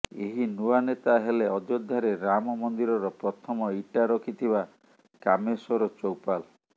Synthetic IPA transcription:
eɦinuanet̪aɦeleɔd̪od̪ʱːaɾeɾamɔmɔnd̪iɾɔɾɔpɾɔt̪ʰɔmɔiʈaɾɔkʰit̪ʰiba | kamesɔɾɔt͡ʃowpal

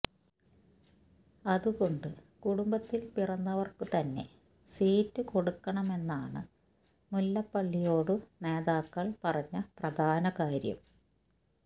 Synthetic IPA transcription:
ɐðuɣo̞ɳɖɨkuɽumbɐt̪ːilpirɐnːɐʋɐrkɨt̪ɐnːe̞̰ | siːtːɨko̞ɽukːɐɳɐme̞nːaːɳɨ | mulːɐpːɐɭːijo̞ːɽɨne̞ːðaːkːɐɭpɐrɐɲːɐprɐd̪ʱaːnɐkaːɾjɐ̰m

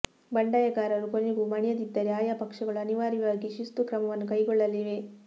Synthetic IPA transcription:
bɐɳɖɐjɐɡaːɾɐɾukoniɡumɐɳjɐd̪id̪ːɐɾeaːjaːpɐkʂɐɡɐɭuɐniʋaːɾiʋaːɡiʃist̪ukɾɐmɐʋɐnːukɐjɡɔɭːɐliʋe

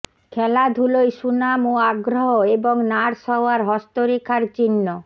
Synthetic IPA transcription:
kʰɛlad̪ʱulojʃunamoaɡɾoɦoeboŋnaɾʃɔoaɾɦɔst̪oɾikʰaɾt͡ɕinːo

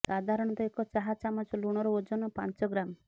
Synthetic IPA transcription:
sad̪ʱaɾɔɽ̃ɔt̪ɔekɔt͡ʃaɦat͡ʃamɔt͡ʃɔluɽ̃ɔɾɔod͡ʒɔnɔpa̰nt͡ʃɔɡɾam

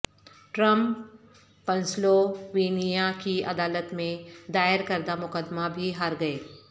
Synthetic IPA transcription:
ʈɾɐ̃mpː | ɐ̃nsloʋiːnijakiɐd̪aːlət̪mẽd̪aːəɾkɐɾd̪amʊkəd̪mabʱiɦaɾɡɐeː

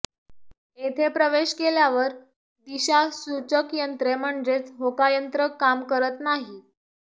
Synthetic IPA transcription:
et̪ʰepɾəʋeɕkeljaʋəɾ | d̪iɕasut͡səkjənt̪ɾem̤əɳd͡zet͡sɦokajənt̪ɾəkamkəɾət̪naɦi

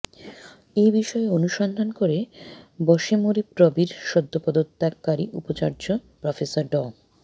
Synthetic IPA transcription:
ejbiʃɔeonuʃɔnd̪ʱankoɾebɔʃemoɾipɾɔbiɾʃɔd̪ʱːopɔd̪ot̪ːakːaɾiʔupot͡ɕaɾd͡ʑopɾɔfesaɾɖɔ

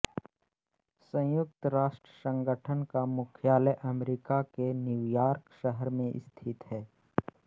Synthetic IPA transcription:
sə̃jʊk̚t̪ɾaːʃʈɾəsə̃ŋɡəʈʰənkamʊkʰjaːləʔɐmɾikakenjuwjaːɾkʃəɦəɾmẽʔɪ̰st̪ʰɪt̪ɦɛː

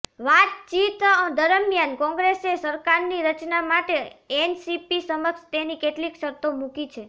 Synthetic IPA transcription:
ʋat̪̚t͡ʃit̪əd̪əɾəmjankɔ̃ŋɡɾesesəɾkaɾniɾət͡ʃnamaʈeensipisəməkʃt̪enikeʈlikʃəɾt̪omukit͡ʃʰe

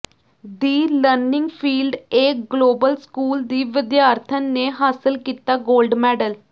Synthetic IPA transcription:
d̪iːləɾnɪ̃ŋɡpʰiːlɖeːkɡloːbəlskuːld̪iːʋɪd̪jaːɾt̪ʰənːeːɦaːsɪlkiːt̪aːɡoːlɖmɛːɖəl

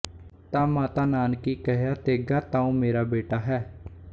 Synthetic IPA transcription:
t̪ãːmãːt̪aːnaːnkiːkəɦjaːt̪eːɡaːt̪ãːũːmeːɾaːbeːʈaːɦɛː

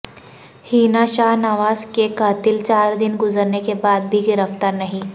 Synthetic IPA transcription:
hiːnaʃaːɦnaʋaːzkekaːt̪ɪlt͡ʃaːɾd̪ɪnɡʊzəɾnekebaːd̪̚bʱiɡɪɾəft̪aːɾnɐɦĩ

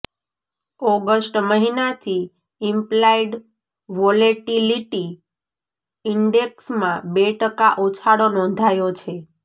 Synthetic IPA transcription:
ɔɡəsʈməɦinat̪ʰi | ɪmplaiɖ | ʋɔleʈiliʈi | iɳɖeksmãbeʈəkaʔut͡ʃʰaɽonɔ̃nd̪ʱajot͡ʃʰe

